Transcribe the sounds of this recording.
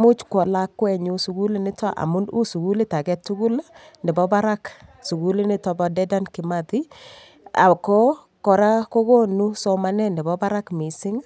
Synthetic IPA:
mu˦t͡ʃkɔ˨la˦kːwɛ˨ɲu˦su˨ɡu˦li˦nɪ˦tʰa˦ʔa̰˨mu˦nu˦su˨ɡu˦li˦ta˨kɛ˦tu˦ɡu˦la | nɛ˨bɔ˦ba˦ɾa˦ksu˨ɡu˦li˦nɪ˦tɔ˨bɔ˨dɛ˦da˦nkɪ˨ma˨ti˦ | a̰˨kɔ˦ | kɔ˨ɾa˦ko˦ɡo˦nu˦sɔ˨ma˨nɛ˦ndɛ˨bɔ˦ba˦ɾa˦kmi˨sɪ˦ŋ

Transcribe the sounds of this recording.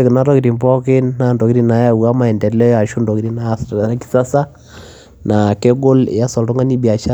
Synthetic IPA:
e˦kɪ˨na˦ɾɔ˦ki˨ɾi˨mbɔ˦kɪ˦nːa˦ndɔ˨ki˦ɾi˦na˨˦ja˦u˨a˦ma˨ɛ˨ndɛ˨lɛ˦ja˨ʃu˦ndɔ˨ki˦ɾi˦na˦˨sa˦ki̥˦sa˦sa˦ | na˨ke˦ɡo˦l̰ja˦sɔ˨ltɔ˦ŋa˦ni˦bi˨a˨t͡ʃa˦

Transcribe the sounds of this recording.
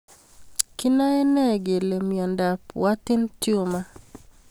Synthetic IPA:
kɪ˦na˦ɛ˦nɛ˦˨ɡe˨le˨mjɔ˨nda˨pwa˦tɪ˦ntjo˦ma˦

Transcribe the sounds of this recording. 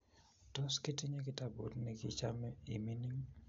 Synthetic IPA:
tɔ˦ske˦ti˦ɲe˦kɪ˦ta˦bo̰˨tnɛ˨kɪ˦t͡ʃa˦mɛ˦i˨mi˦ni˦ŋ

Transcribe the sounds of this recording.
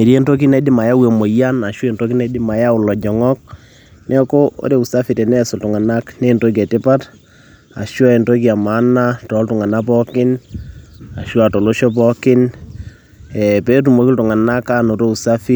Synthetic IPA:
e˨ɾe˦nto˦k̬i˦nɛ˨˦dɪ˦ma˨ja˦we˨mo˨ja˦na˨ʃɔ˦e˨nto˦k̬i˦nɛ˨˦dɪ˦ma˨ja˦ʊ˨lɔ˨d͡ʒɔ˨ŋɔ˦k̚ | nɛ˦ko˦o̰˦ɾe˦˨u˨sa˦fi˨tɛ˨nɛ˦sʊ˨ltu˨ŋa˨na˦kne˦˨nto˦kɛ˨tɪ˦pa˦t | a̰˨ʃɔ˦e˨nto˦k̬i˦a˨ma˨˦na˦tɔ˨˦ltʊ˨ŋa˨na˦p̬ɔ˦kɪ˦n | a˨ʃwa˨tɔ˨lo˦ʃɔ˦pɔ˦kɪ˦n | ɛ˨pe˦t̬u˨mo˨kɪ˦ltu˨ŋa˨na˦ka˦no˨ɾo˦u˨sa˦fi˦

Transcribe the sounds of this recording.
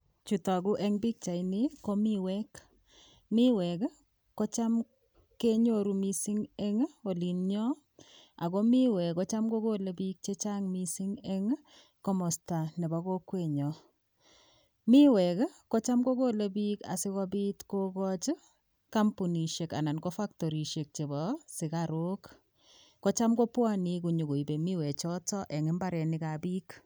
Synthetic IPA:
t͡ʃu˨ta˨ɡʊ˦ʔɛ˦ŋbi˦k̚t͡ʃa˨ɪnɪ˦kɔ˦mi˦wɛ˦k | mɪ˦wɛ˨k | kɔ˦t͡ʃa˦m | ke˦ɲo˦˨ɾu˨mi˦si˦ŋɛ˦ŋo˨li˨nɲɔ˦ | a˨ɡo˦mɪ˦wɛ˨kɔ˨˦t͡ʃa˦mɡo˦ɡo˦le˨bi˦k̚t͡ʃe˦t͡ʃa˦ŋmi˦si˦ŋɛ˦ŋ | kɔ˦mɔ˨sta˨nɛ˨ba˨ɡo˦kwe˨ɲɔ˨ | mi˦wɛ˨kkɔ˦t͡ʃa˦mɡo˦ko˦˨le˦bi˦ka̰˨sɪ˦kɔ˦bi˦tko˦kɔ˦t͡ʃ | ka˦mpu˨ni˨ʃe˨ka̰˨na˨nkɔ˦fa˦ktɔ˨ɾi˨ʃe˨k̚t͡ʃe˨bɔ˨sɪ˨kaɾo˦kː | ɔ˦t͡ʃa˦mɡɔ˦pwa˦ni˦ku˨ɲu˨ɡo˨i˨be˨mi˦wɛ˨t͡ʃɔ˦tɔ˦ʔɛ˨ŋɪ˦mba˦ɾɛ˨nɪ˨ka˨biː˦k

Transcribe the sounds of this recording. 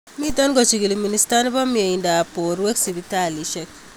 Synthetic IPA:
mi˦ta˦nɡɔ˨t͡ʃi˨ɡi˨liministan˦bɔ˦mie˨inda˨poɾwe˦ksi˨bitali˨ʃɛk̚

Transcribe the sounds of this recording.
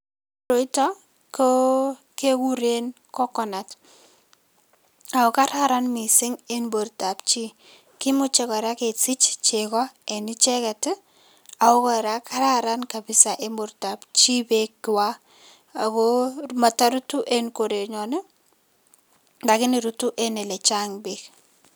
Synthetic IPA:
ɾo˨˦i˦ta˦ | ko | ke˦ku˦ɾe˦n | kɔ˦kɔ˨na˨t | a˨ɔka˦ɾa˦ɾa˦nmi˨sɪ˦ŋenbo˨rta˨p̚t͡ʃi˦ | kɪ˦mʊ˦t͡ʃɛ˦kɔ˨ɾa˦ke˨t͡sɪ˦t͡ʃt͡ʃekɔ˦ɛ˨nɪ˦t͡ʃɛ˦kɛ˨tɪ | a˨ʊ˦kɔ˦ɾa˦ka˦ɾaɾa˦nka˨bɪ˨sa˨ʔe˦mboɾta˨pt͡ʃi˦bekːɪ˨wa˦ | a˨koma˨ta˦ɾu˦tu˦ʔenkoɾe˨ɲɔ˨ne˦ | nda˨kɪ˦nɪ˨ɾutu˦ʔenɛ˨lɛ˨t͡ʃa˦ŋbek

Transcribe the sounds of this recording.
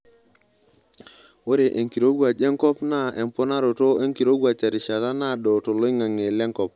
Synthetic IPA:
wo˦ɾe˨ʔe˨ŋki˨ɾo˦ɡwa˨d͡ʒe˦ŋko˦pna˦˨e˨mpo˦na˦ɾo˨to˦e˦ŋki˨ɾo˦ɡwa˨t͡ʃa˨ɾi˨ʃa˨ta˦na˦˨ɗo˨to˨lo˦ŋa˨ŋe˨le˦ŋko˦˨p̚

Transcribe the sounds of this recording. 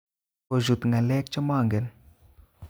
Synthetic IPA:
o˨d͡ʒu˨t̪ŋa˨lɛ˦k̚t͡ʃɔ˦ma˦˨ŋɡɛ˨l

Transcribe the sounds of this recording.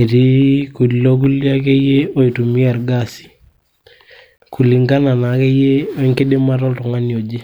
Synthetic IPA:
e˨ti˦ku˨li˨lo˦k̬u˦li˦a˦ke˦je˦o˦i˨tu˨mi˦ɛ˨ɾɡasi̥˨ | ku˨li˨ŋɡa˦na˨na˨ke˦je˦o˦i˦ŋke˦de˦ma˦tɔ˦ltu˨ŋa˦ni˨o˨d͡ʒe˦

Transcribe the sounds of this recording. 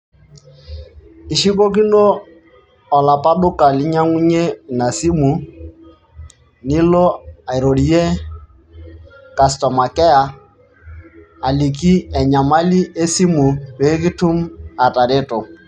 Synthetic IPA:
i˨ʃi˦ko˦k̬i˦noː˦˨ | la˨pa˦ɗʊ˦ka˨lɪ˦ɲa˦ŋu˦ɲe˦na˨si˦mu˨ | ni˦lo˦a˨i˨ɾo˨ɾi˨je˦ | ka˨stɔ˨ma˨kɛ˦a˨ | li˨ki˦ɛ˨ɲa˨ma˦li˦ʔe˦si˦mu˨pe˨˦k̬i˦tu˦ma˨ta˨ɾe˦to˨

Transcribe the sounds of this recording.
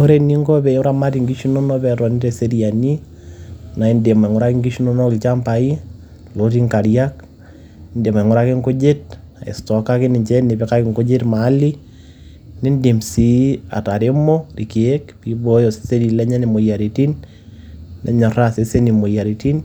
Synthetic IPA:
o˦ɾe˦ni˦ŋɡɔ˦bɛ˨o˦ɾa˦ma˦ti˨ŋɡi˦ʃu˦no˦nɔ˦bɛ˨tɔ˨ni˦te˨se˦ɾija˨ni˦ | na˨i˦nde˨ma˨ŋɔ˦ɾa˦ki˦ŋɡi˦ʃu˦no˦nɔ˦kɪ˨lt͡ʃa˦mpa˨i˦ | lo˦t̬i˦ŋka˨ɾja˦k | nde˨ma˨ŋɔ˦ɾa˦kɪ˦ŋɡo˦d͡ʒe˦t̚a̰˨ḛ˨stɔ˨ka˦kɪ˦nɪ˨ɲt͡ʃɛ˦ne˨be˨˦ka˦kɪ˨ŋɡo˦d͡ʒe˦tma˨˦li˦ | nɪ˦nde˨msi˨˦a̰˨ta˨ɾe˦mo˦ri˨ki˨e˦kpi˨˦bo˦jo˨se̥˦se˦ɾi˨lɛ˦ɲa˦ni˨mo˨ja˨ɾi˨ti˦nː | ɛ̰˨ɲɔ˨ra˦se˦se˦ni˨mo˨ja˨ɾi˨ti˦n

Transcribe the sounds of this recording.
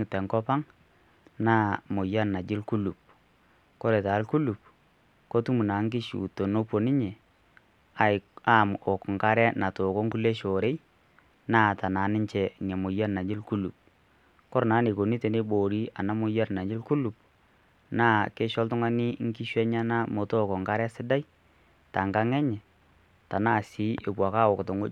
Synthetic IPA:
ŋɪ˨tɛ˨ŋkɔ˦pa˦ŋ | naː˦mo˨ja˦na˨d͡ʒɪ˦lku˦lu˨p̚ | kɔ˦ɾe˨ta˨˦lku˦lu˨p̚ | ko˦tu˦mu˨na˨ŋ˦k̬ɪ˦ʃṵ˨to˨no˦po˨nɪ˦ɲɛ˨ | a˨a˨mo˨kŋ̩˨ka˦ɾɛ˦na˨to˨ko˦ŋku˦le˦ʃo˨ɾe˦ | naː˦˨ta˨na˨˦nɪ˦ɲt͡ʃɛ˨ŋɛ˨mo˨ja˦˨na˨ɪ˦lku˦lu˨p̚ | kɔ˦ɾna˨˦ne˨ko˨ni˦te˨ne˦bo˨ɾi˦a˨na˦mo˦ja˦ɾna˨ɲd͡ʒɪ˦lku˦lu˨p̚ | naː˦˨ke˦ʃɔ˦ltʊ˦ŋa˦nɪ˦ŋ˦ki˦ʃwɛ˦ɲa˦na˦mo˨to˦˨ko˨ŋka˦ɾɛ˦sɪ˦da˦j | ta˨ŋɡa˦ŋɛ˦ɲɛ˨ | ta˨naː˦˨si˨˦ʔɪ˨bwa˨ka˦˨wɔ˨kto˨ŋo˦

